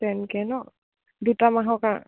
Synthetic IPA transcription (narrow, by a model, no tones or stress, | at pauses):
ɛnkɛnɔʔ | dut̪amaɦɔka